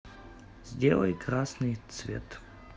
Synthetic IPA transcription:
zʲdʲelˠɐjkɾasnɨjt̪svʲḛt̪

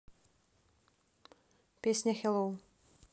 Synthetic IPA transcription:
pisɲɛxɪlow

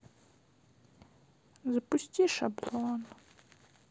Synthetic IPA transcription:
zapusʲtʲiʃablˠɔn

